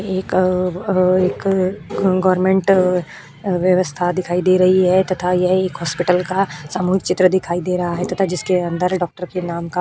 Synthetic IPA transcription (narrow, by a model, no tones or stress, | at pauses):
eːk | eːk | ɡɔːɾmẽːɳʈ | ʋjɐʋəst̪ʰad̪ɪkʰaːid̪eːɾɐɦiɦɛt̪ɐt̪ʰajɛɦeːkɦɔːspɪʈəlkasaːmuːɦɪk̚t͡ʃɪt̪ɾəd̪ɪkʰaːid̪eːɾɐɦaɦɛt̪ɐt̪ʰad͡ʒɪskeɐ̃nd̪əɾɖɔːk̚ʈəɾkenaːmka